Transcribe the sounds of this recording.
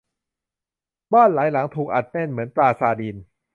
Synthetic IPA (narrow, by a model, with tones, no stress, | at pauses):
bɔː˥˩nlaː˩˦jla˩˦ŋt̪ʰuː˨˩k̚ʔa̰˨˩t̪̚ne˥˩˨nmɯ˩˦ənpɾaː˧saː˧diː˧n